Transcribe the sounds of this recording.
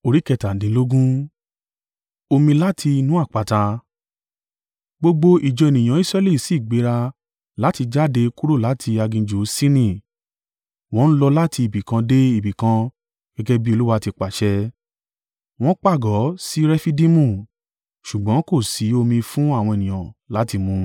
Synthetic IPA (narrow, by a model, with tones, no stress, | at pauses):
o˧ɾi˨˦kɛ˧˨ta˨dĩ˨˦lo˦ɡũ˦ | o˧mĩ˧la˦tʰi˧i˧nũ˦a˦˨k͡pa˨ta˧ | ɡ͡bo˧ɡ͡bo˧ʔi˨d͡ʒɔ˨˧e˨nĩ˨j̃ã˨˦i˦sɾɛ˧li˦˨si˨˦˨ɡ͡be˨˦ɾa˧ | la˨˦ti˧d͡ʒa˦˨de˧ku˦ɾo˦˨la˨˦tʰi˧a˧ɡĩ˧d͡ʒo˨˦si˦nĩ˦˨ | w̃ɔ̃˦n̩˦lɔ˧la˦tʰi˧i˨bi˨kã˧de˦i˦˨bi˨kã˧ | ɡ̥ɛ˦ɡɛ˧bi˦o˧lu˦wa˧ti˧k͡pa˨ʃɛ˧ | w̃ɔ̃˦k͡pa˦˨ɡɔ˨˦si˦ɾɛ˦fi˦dĩ˦mũ˦˨ | ʃu˨ɡ͡bã˨˦ko˦˨si˨˦o˧mĩ˧fũ˦a˦˨w̃ɔ̃˧e˨nĩ˨ã̰˨la˨˦ti˧mũ˧